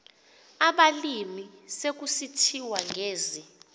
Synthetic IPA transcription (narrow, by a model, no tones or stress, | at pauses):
aɓalimisek̬usitʰiwaŋɡʱeːzi